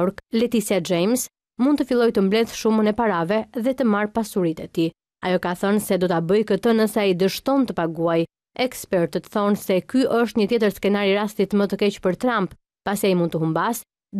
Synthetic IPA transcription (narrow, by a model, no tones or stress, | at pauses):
ɾklɛt̪isad͡ʒɛjms | mund̪̚t̪əfilˠɔjt̪əmblɛðʃumənɛpaɾavɛðɛt̪əmaɾpasuɾit̪ɛt̪i | ajɔkaθɔnsɛd̪ɔt̪abəjkət̪ənəsaid̪əʃt̪ɔnt̪əpaɡuaj | ɛkspɛɾt̪ət̪θɔnsɛkyʔəʃ̬t̪ɲət̪jɛt̪əɾskɛnaɾiɾast̪it̪mət̪əkɛt͡ɕpəɾt̪ɾampː | asiaimund̪t̪əɦumbas